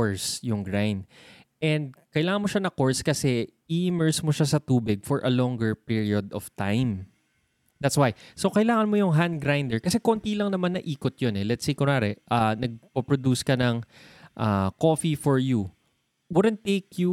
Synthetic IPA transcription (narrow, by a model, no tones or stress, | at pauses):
ɹsjʊŋɡɹajnd̪̚ | ʔɛnd̪̚kɐjlaːŋɐnmoʃanɐkoɹskɐsɛʔiʔɪmɛɹsmoʃasɐt̪uːbɪɡ̚fɔɹʔɐlɔ̃ŋɡɛɹpiɹiod̪ɔv̥t̪ãjm | d̪æt̪swajsokɐɪlaːŋɐnmojʊŋɦand̪̚ɡɾajnd̪ɛɹkɐsɛkont̪ilɐŋnɐmanːɐʔiːkot̪̚jonɛlɛt̪sejkʊɾaɾɛʔanɐɡ̚popɹod̪uːskɐnɐŋʔakoːfifɔɹju | wʊd̪ɛnt̪ːejkju